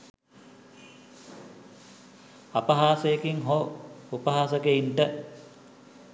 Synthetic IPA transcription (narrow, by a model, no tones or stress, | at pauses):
apəɦaːsəjekiŋɦoupəɦaːsəɡeiɳʈə